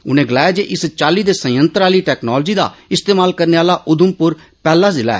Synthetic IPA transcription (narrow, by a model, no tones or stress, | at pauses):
ʊnẽːɡəlaːjaːd͡ʒeːʔɪst͡ʃaːliːd̪eːsə̃jə̃nt̪ɾaːliːʈɛːknɔːld͡ʒiːd̪a̰ːɪst̪eːmaːlkəɾneːaːlaːʔʊd̪ʊmpʊɾ | pɛːlaːzɪla̰ːɛ̰ː